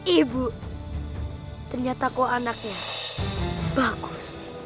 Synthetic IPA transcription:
ibu | t̪ərɲat̪akoanak̚ɲa | b̥aɡʊs

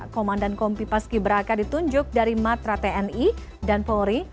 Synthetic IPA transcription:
komandankɔmpipaskibəɾakadit̪uɲd͡ʒʊk̚daɾimat̪ɾat̪eɛni | danpoɾi

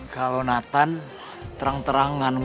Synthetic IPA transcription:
ɡ̥alonat̪an | t̪əɾaŋt̪əɾaŋːan

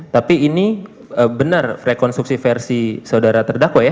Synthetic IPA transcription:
t̪apiːni | əbənərrekɔnst̪ɾuk̚sifɛrsisaudaɾat̪ərdakwaja

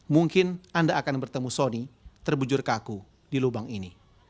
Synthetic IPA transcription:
muŋkɪnandaʔːkanbərt̪əmusonit̪ərbud͡ʒʊrkaku | dilubaŋini

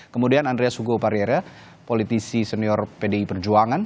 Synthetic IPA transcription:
kəmudianandɾeasuɡopaɾieɾa | polit̪isisɛniɔrpedeipərd͡ʒuaŋan

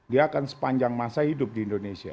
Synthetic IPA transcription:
diaːkansə̥paɲd͡ʒaŋmasahidʊp̚diːndonesia̰

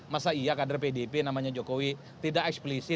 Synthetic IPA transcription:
masaiakadarpedepenamaɲad͡ʒokowi | t̪idakɛksplisɪ

